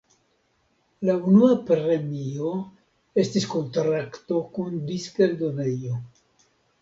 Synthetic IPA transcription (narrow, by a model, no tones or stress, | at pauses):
launuapɾe̞mio̞ | e̞stisko̞nt̪ɾakto̞kundiskeld̪o̞nejo̞